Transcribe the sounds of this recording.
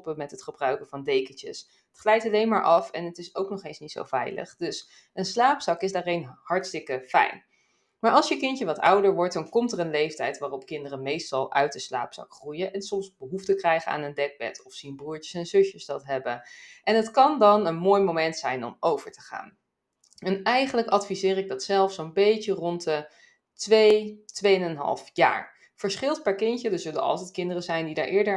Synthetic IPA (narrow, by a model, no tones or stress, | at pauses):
pəmɛtɦətχəbrœɥkəvɑndejkənt͡ʃə̰s | ətχlɛjtɑlejnmaːɹʔɑfɛnətɪsowknɔχejnsnitso̰wvɛ̰jlə̰χdɵs | ənslaːpsɑkɪzdaːrejnhɑɹtstɪkəfɛ̰jn | maːɹʔɑlˠsjəkɪntəʋɑtɑ̰wdəɹʋɔɹt̚dɑnkɔmtərənlejftɛjtʋaːrɔp̚kɪndərəmejstɑlˠʔœɥt̚dəsla̰ːpsɑ̰kχrujəʔɛnsɔmzbəɦuftəkrɛjχəa̰ːnəndɛɡ̚bɛ̰tɔfsinbruːɹcəsɛnzɵʃjəsdɑtɦɛbəʔɛnɦətkɑndɑnənmoːjmomɛntsɛjnɔ̰mowv̥əɹtə̥χa̰ːn | ɛnɛjχənləkɑtfizɪːrɪɡ̚dɑtsɛlˠfsonbejtərɔntə | tʋejtʋejənənɦɑ̰lˠfja̰ːɹ | v̥əɹsχɪlˠt̚pɛɹkɪntədəzɵlənɑ̰lˠtɛjtkɪndərəzɛjndida̰ːɹʔɪːɹdə